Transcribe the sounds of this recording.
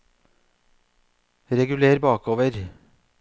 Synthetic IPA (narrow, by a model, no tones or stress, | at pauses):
ɾɛɡʉleːɾbɑːkoːʋəɾ